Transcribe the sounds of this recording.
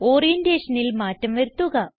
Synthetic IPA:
o̞ːrijɐndeːʂɐnilmaːtːɐmʋɐɾut̪ːuɣɐ

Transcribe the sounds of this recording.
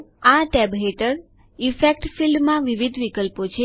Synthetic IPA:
aʈɛbɦeʈəɾ | ifekʈfilɖmãʋiʋid̪ʱʋikəlpot͡ʃʰe

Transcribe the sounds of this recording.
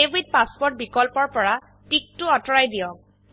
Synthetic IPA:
ebid̚paspɔɹt̚bikɔlpɔɹpɔɹa | tik̚tʊɔtɔɹajdijɔk̚

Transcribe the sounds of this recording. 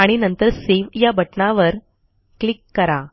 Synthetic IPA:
aɽ̃inənt̪əɾseʋjabʱəʈnaʋəɾ | klikːəɾa

